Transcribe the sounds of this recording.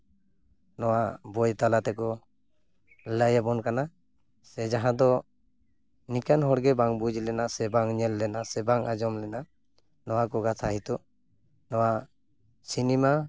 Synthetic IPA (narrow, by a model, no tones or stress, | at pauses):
nɔwabɔjt̪alat̪ɛkɔ | lajabɔnkana | sɛd͡ʒaɦãd̪ɔ | nikanɦɔɽɡɛbaŋbud͡ʒlɛnasɛbaŋɲɛlːɛnasɛbaŋad͡ʒɔmlɛna | nɔwakɔɡat̪ʰaɦit̪ɔ | nɔwa | sinima